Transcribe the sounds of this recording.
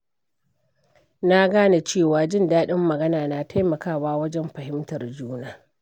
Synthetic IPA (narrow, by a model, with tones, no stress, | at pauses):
na˦ɡaː˦na˨t͡ʃeː˦˨waː˨d͡ʒɪ˦˨ndaː˦ɗɪ˦mːɐ˨ɡɐ˦naː˨na˨ta˦jmɐ˨kaː˦˨waː˦wɐ˦d͡ʒɛ˦mɸɐ˨ɦɪ˦mtɐ˨rd͡ʒuː˦naː˦